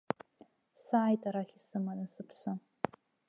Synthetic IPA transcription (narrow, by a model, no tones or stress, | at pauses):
saʕajtʼaɾaχʲisɨmanɨsɨpʰsɨ